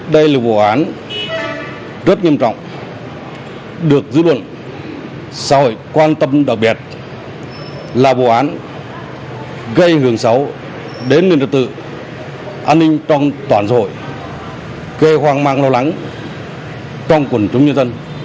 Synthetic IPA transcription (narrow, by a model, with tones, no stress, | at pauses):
ɗə˧jlaː˨˩vo̰˧˨ʔaː˨˦n | zə˦˥t̚ɲi˧əmt͡ɕɔ̰˧˨wŋ͡m | ɗɨ˨˩ək̚zɨ̰˧˥lwə̰˧˨n | sa̰ː˧˥ho̰˧˨jkwaː˧nt̪ə˧mɗa˨˩k͡p̚ɓi˨˩ət̚ | laː˨˩vo̰˧˨ʔaː˨˦n | ɣə˧jhɨ˧˩əŋsa˨˦w | ɗe˨˦nːi˨˩nlɨ˨˩t̪ɨ̰˧˨ | ʔaː˧nːï˧ŋ̟t͡ɕɔ˧wŋ͡mt̪waː˧˩nsa̰ː˧ho̰˧˨j | ɣe˧hwaː˧ŋmaː˧ŋlo˧wla˨˦ŋ | t͡ɕɔ˧wŋ͡mkwə˨˩nt͡ɕʊ˨˦ŋ͡mɲə˧nzə˧n